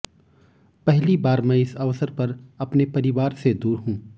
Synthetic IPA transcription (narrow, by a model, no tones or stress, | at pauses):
pɛɦlibaːɾmɛ̃ɪsɐʋsəɾpɐɾɐpnepɐɾɪʋaːɾsed̪uːɾɦũː